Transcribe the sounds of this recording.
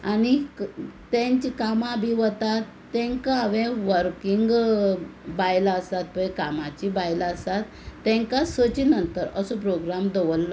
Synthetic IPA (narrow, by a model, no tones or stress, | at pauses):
ani | t̪ẽɲt͡ɕikamãbʱiʋət̪at̪ːɛ̃ŋkaːʋɛ̃ʋəɾkiŋɡ | bajlaəsat̪̚pəkamat͡ɕibajlaəsat̪ː | ɛ̃ŋkasət͡ɕinənt̪əɾəsɔpɾoɡɾamd̪oʋəlːɔ